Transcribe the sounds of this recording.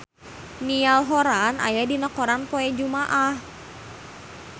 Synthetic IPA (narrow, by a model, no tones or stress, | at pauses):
nialɦɔɾanʔa̰jadinəkɔɾanpɔɛd͡ʒumaʔah